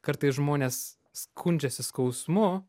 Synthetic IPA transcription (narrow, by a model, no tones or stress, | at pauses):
kɐɾt̪ɐɪsʒmoːnʲeːsː | kʰʊnʲd͡ʒʲɛsʲɪskɐʊsmʊ